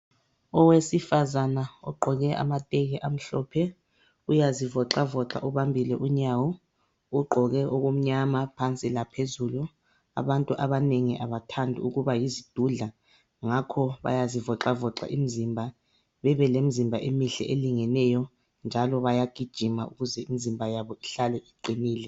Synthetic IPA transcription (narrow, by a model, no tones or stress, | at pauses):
ɔwesifazanaɔ̰ɡ͡ǃʱɔɣɛʔa̰matʼɛɣɛʔam̩ɬɔpʰɛ | ujazivɔǁavɔǁa̰ʔuβambʱilɛʔuɲawɔ | uɡ͡ǃʱɔɣɛʔoɣum̩ɲamapʰant͡sʼilapʰezulu | a̰βantʼuʔaβaneŋiʔaβatʰandʱiuɣuβajizid̥ʱuɮa | ŋakʰɔβa̰jazivɔǁavɔǁa̰ʔimizimbʱa | βɛβɛlemizimbʱaʔemiɬɛ̰ʔeliŋɛnɛjɔ | nd͡ʒʱalɔβajaɡ̥ʱid̥ʒ̥ʱimaṵɣuzɛimizimbʱajaβɔiɬalɛʔiǃʱiniːlɛ